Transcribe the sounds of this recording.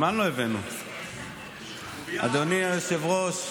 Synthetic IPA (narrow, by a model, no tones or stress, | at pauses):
manloevenu | a̰d̪oniajosevʁos